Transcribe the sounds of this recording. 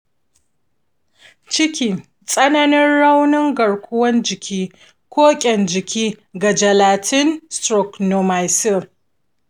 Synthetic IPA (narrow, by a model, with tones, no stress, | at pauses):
t͡ʃɪ˦kʲiː˨ | sʼɐ˦nɐ˦nɪ˦nɽa˦wnɪ˦ŋɡɐ˨ɽkʷʰʊ˦wɐ˦nd͡ʒɪ˨kʲʰiː˦ | kʷʰoː˦kʲʼɛ˨nd͡ʒɪ˨kʲiː˦ɡa˨d͡ʒɐ˨laː˨tʰɪ˦nstɾɔ˨kno˨ma˨jsɪ˦˨